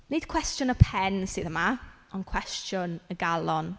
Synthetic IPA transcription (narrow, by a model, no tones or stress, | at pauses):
ned̥kʰw̥ɛstjʊnəpʰɛnsɨːðəma | ɔnkʰw̥ɛstʰjʊnəɡalˠɔn